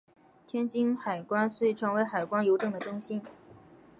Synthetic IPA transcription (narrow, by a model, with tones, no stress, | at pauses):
t̪ʰjɛ˥nt͡ɕi˥ŋxa˨˩ɪkwa˥nswe˥˩˥ʈ͡ʂʰɤ˧˥ŋwe˧˥ɪxa˨˩ɪkwa˥njo˧˥ʊʈ͡ʂɤ˥˩ŋd̪ə˩ʈ͡ʂʊ˥ŋɕi˥n